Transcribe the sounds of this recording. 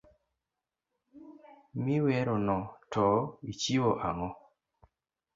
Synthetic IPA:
miwɛɾɔnɔtʰɔit͡ʃiwoʔaŋɔ

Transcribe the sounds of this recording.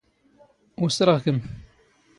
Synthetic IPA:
ʊsɾˤəʁkəm

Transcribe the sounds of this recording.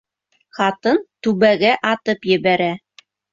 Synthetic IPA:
χɑt̪ɤnt̪ʉβæɡæʔɑt̪ɤpjɘ̆βæɾæ

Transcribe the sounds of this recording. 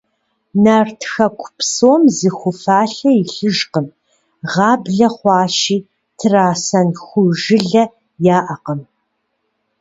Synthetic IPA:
naːrtʰxɐkʷʰʊ̥psoːmzɨxʷʊfaːɬɐɪɬɨʒqəm | ʁɑːbɮɐχʷɑːʃiː | tʰɨraːsɐnxʷʊʒɪɮɐ | jaːʔɐqəm

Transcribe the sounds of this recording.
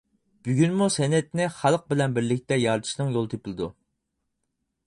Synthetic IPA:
b̥yɡʲynmusɛnɛt̪nɪχælˠq̚bɪlɛnbɪɾlɪk̚ʲt̪ɛjɑɾt̪ʰɨ̥ʃnɨŋjolˠt̪ʰepʰɪlˠɨd̪u

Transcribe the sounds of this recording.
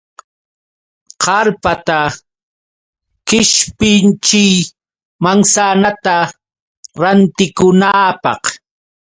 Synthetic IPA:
qɑɾpat̪a | kɪʃpɪnt͡ʃɪj | maŋsanat̪a | ɾant̪ɪkʊnaːpɑ̰q

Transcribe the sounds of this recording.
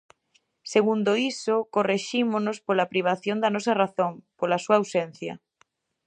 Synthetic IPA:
seɣund̪oisokoreʃimonospolapɾiβ̞aθjond̪ɐnɔsɐraθoŋpolasuaːwsen̟θjɐ̰

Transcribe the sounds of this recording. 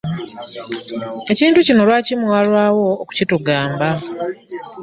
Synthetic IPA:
e̞ciːntucino̞lwaːcimwaːlwaːwo̞ːku̥cituɡaːmba

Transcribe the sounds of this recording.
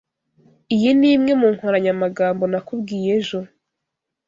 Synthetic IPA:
ijiniːmŋe̞muŋ̥hoɾaɲamaɡaːmbo̞nakubɡiːje̞ʒo̞

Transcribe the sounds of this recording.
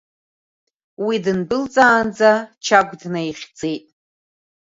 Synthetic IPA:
widɨnbɨlt͡sʼaːnd͡zat͡ʃʰaɡʷdnajχʲd͡zʼejtʼ

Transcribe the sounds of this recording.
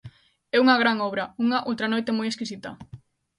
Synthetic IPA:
ɛuŋɐɣ̞ɾaŋɔβ̞ɾɐuŋɐʔowt̪ɾanojt̪emojeskisit̪ɐ̰

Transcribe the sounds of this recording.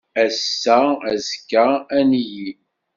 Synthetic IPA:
æsːææzkːææniji

